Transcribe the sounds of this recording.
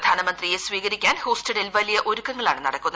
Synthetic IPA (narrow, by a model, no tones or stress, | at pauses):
d̪ʱaːnɐmɐnd̪rijesʋiːɣɐɾikʲːaːnho̞ːstɐɽilʋɐlijɐʔo̞ɾukːɐŋːɐɭa̰ːɳɨnɐɽɐkːunː